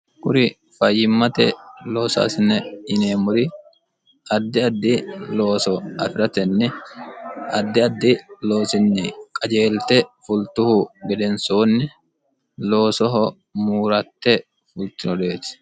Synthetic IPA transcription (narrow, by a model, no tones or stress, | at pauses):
kʊɾɪ | fɐjːɪmːɐt̪ɛlo̞ːsa̰ːsɪnːɛɪneːmʊɾɪ | ʔɐd̪ːɪɐd̪ːɪlo̞ːsɔɐfɪɾɐt̪ɛnːɛ | ɐd̪ːɪɐd̪ːɪlo̞ːsɪnːɪkʼɐd͡ʒe̞ːlt̪ɛfʊlt̪ːʊhʊɡɛd̪ɛnsoːnːɪ | lo̞ːsɔɦɔ | muːɾɐt̪ːɛ | fʊlt̪ɪnɔd̪e̞ːt̪ɪ̥